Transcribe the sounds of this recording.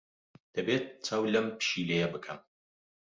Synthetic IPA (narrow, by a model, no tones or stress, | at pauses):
d̪̥ɐbeːt̪̚t͡sʰɐwlɐmpʃilejɐbɨkʰɐm